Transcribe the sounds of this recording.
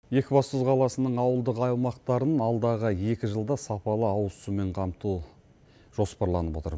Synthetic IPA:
je̞kʲɪbɑst̪əzqʰɑlˠɑsənəɴɑwəlˠd̪əqɑjlˠmɑqt̪ɑɾənɑlˠd̪ɑʁəje̞kʲɪʒəlˠd̪ɑsɑpɑlˠəɑwəsume̞ɴqʰɑmt̪u | ʒ̥o̞spɑɾlˠɑnəpwo̞t̪əɾ

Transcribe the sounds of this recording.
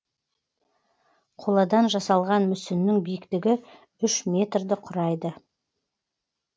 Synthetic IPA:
qʰo̞lˠɑd̪ɑnʒɑsɑlˠʁɑnmʏsɪnːɪŋbijɪkt̪ɪɡʲɪ | ʏʃmʲe̞t̪rd̪ɪqʰʊɾɑjd̪ə

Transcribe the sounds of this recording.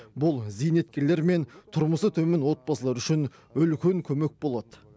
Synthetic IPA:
bʊlˠzijne̞t̪̚kʲe̞ɾle̞ɾme̞nt̪ʰʊɾməsət̪ʰɵmɪnwo̞t̪̚pɑsəlˠɑɾʏʃɪn | ʏlkʲe̞ŋkʲʰɵme̞k̚bo̞lˠɑd̪̥ə

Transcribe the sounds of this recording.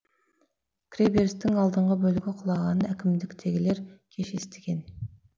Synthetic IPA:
kʲʰɾebeɾst̪ɪŋɑlˠd̪əɴʁəbølɪɡʲɪqʰʊlˠɑʁɑnækʲɪmd̪ɪkʲt̪ʰeɡʲɪleɾkʲʰeʃest̪ʰɪ̥ɡʲen

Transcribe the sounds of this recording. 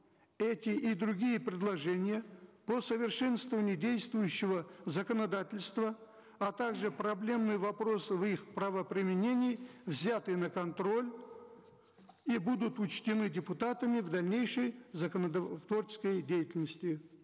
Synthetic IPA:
ɛtʲɪʔid̪ɾʊɡʲijəpɾʲɪd̪lˠɐʐɛnʲɪjəposəvʲɪrʂɛnst̪vəvənʲɪʊdʲejst̪vʊjʉɕːɪvəzəkənɐd̪atʲɪlʲst̪və | ɐt̪aɡʐɨprɐblʲe̞mnɨjvɐpɾo̞svixpɾəvəpɾʲɪmʲɪnʲenʲɪjvzʲat̪ɨnəkɐnt̪ɾo̞lʲ | ibud̪ʊt̪ʊt͡ɕt̪ʲɪnɨdʲɪpʊt̪at̪əmʲɪvd̪ɐlʲnʲejʂəjzəkənt̪vort͡ʃɪ̥skəjdʲejɪtʲɪlʲnəsʲtʲɪ

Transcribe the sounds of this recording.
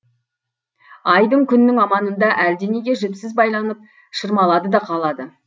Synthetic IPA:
ɑjd̪əɴkʲʰʏnːɪŋɑmɑnənd̪ɑʔæɾd̪e̞ne̞ɡʲe̞ʒʏpsɪzbɑjlˠɑnəp̚ | ʃəɾmɑlˠɑd̪əd̪ɑqʰɑlˠɑd̪ə

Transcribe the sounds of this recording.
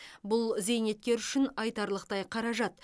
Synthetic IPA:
bʊlˠze̞jne̞t̪̚kʲe̞ɾʏʃɪnɑjt̪ɑɾlˠəqt̪ɑjqʰɑɾɑʒɑt̪

